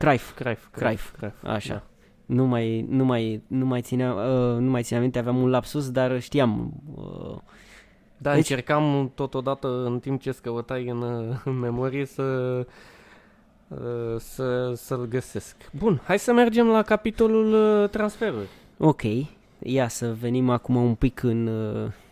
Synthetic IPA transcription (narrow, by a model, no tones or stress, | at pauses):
kɾajfkɾajfajffa̰ʃa̰ | numajnumajnumajt̪sineamənumajt̪ineamint̪eaveamunlapsusd̪arʃt̪ijamə̰ | d̪aɨet͡ʃe̞rkamt̪o̞t̪o̞d̪at̪əɨnt̪imp̚t͡ʃe̞skəvət̪ajɨnme̞mo̞ɾijesə | səsəlɡəse̞skbunhajsəme̞rd͡ʒe̞mlakapit̪o̞lult̪ɾansfe̞ɾuri | o̞kʲʰe̞j | jasəve̞nimakumaumpikʰɨn